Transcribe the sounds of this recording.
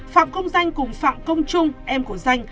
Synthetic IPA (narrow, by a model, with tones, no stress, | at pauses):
fa̰ː˧˨mkə˧wŋ͡mza˧jŋ̟kʊ˨˩ŋ͡mfa̰ː˧˨mkə˧wŋ͡mt͡ɕʊ˧ŋ͡mʔɛ˧mku˧˩əza˧jŋ̟